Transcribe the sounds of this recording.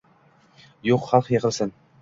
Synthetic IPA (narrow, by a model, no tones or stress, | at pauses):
joqχɑlˠqjeqʰə̆lˠsɪn